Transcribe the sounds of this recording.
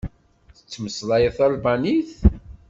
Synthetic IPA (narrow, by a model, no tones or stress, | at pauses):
θə̥t͡sːməslˤɑjəθælbaniθ